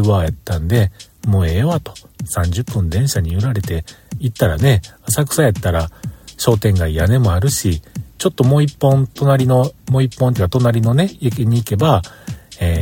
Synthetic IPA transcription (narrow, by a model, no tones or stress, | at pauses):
ɯ̟βaːjat̪ːãnd̪e̞ | mo̞ːeβat̪o̞̥ | sãɲ̟d͡ʑɨpːɯ̟̃nd̪ẽ̞ɰ̃ɕaɲ̟iɯɾaɾe̞t̪e̞it̪ːaɾa̰ne̞asakɯ̟̥saet̪ːaɾaɕo̞ːt̪ẽ̞ŋɡaijane̞mo̞aɾɯ̟ɕit͡ɕo̞t̪ːo̞mo̞ːipːõ̞nt̪o̞naɾʲino̞mo̞ipːõ̞nt̪eiɯkat̪o̞naɾʲino̞ne̞jekeɲ̟iːke̞baeː